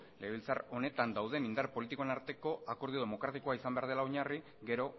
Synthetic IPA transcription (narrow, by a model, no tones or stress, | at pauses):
le̞βilt͡sa̰ɾo̞ne̞t̪and̪awð̞emind̪aɾpo̞lit̪ikoenaɾt̪e̞ko̞ako̞ɾðio̞ð̞e̞mo̞kɾat̪iko̞aisambe̞aɾð̞e̞laoɲari | ɡe̞ɾo̞